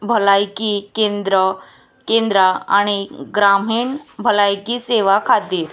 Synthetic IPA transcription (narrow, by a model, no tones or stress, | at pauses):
bʱəlajkikend̪ɾə | kend̪ɾaa̰ɽ̃iɡɾamiːɳbʱəlajkiseʋakʰat̪ːiːɾ